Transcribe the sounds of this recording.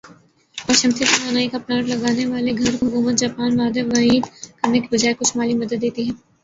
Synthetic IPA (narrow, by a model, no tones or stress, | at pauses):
ɔʃɐmt̪ʰit̪ɐɾaːnaːikapɾaːɾlɐɡaːneʋaːleɡʱɐɾɦʊkuːmət̪̚d͡ʒaːpaːnʋaːd̪eʋɐiːd̪kɐɾnekebɐd͡ʒaːekʊt͡ʃʰmaːlimɐd̪əd̪ːeːt̪iɦɛ̃ː